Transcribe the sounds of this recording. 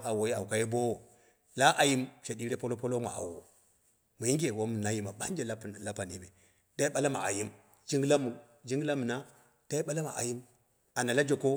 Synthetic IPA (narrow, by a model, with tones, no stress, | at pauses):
a˨wo˨ji˦a̰˨wu˨ka˨˦je˦bo˦wo˨ | la˦ʔa˨ji˦mʃe˨di˦ɾe˦po˦lo˦po˦lo˦ma̰˨ʔa̰˨wo˨ | mu˨ji˦ŋɡʲe˨wo˦m˨na˦ji˦ma˨ba˦n˦d͡ʒe˦la˦˨la˦pa˨ni˦be˨ | da˦i˦ɓa˦la˦ma̰˨a̰˨ji˦m | d͡ʒi˦ŋɡla˦mu˨ | d͡ʒi˦ɡla˦mu˨na˦ | d̥a˦i˦ɓa˦la˦ma̰˨ʔa̰˨ji˦m | a˨na˨la˦d͡ʒo˨ko˦